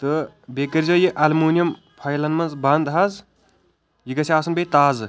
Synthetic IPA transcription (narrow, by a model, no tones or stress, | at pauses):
t̪ɨ | bʲekɐɾʲzojiʔɐlmuːnjɐm | pʰɐjlɐnmɐnzbɐnd̪ɦɐz | jiɡɐsʰʲiaːsɐnbʲejt̪aːzɨ